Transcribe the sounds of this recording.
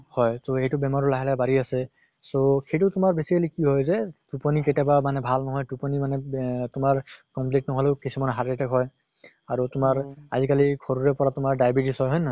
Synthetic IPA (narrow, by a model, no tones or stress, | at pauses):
hɔjtoejtubɛmaɹɔlaɦɛlɛbaɹiasɛ | soxejt̬utʊmaɹbesikalikiɦɔjzɛtupɔniketabamanɛbʱalnɔɦɔjtupɔnimanɛtʊmaɹkɔmplitnɔɦɔleʊkisumanɦaɹetɛkɦɔj | aɹutʊmaɹazikalikʰoɹuɹɛpɔɹatʊmaɹdajbitisɦɔjɦɔjnɔ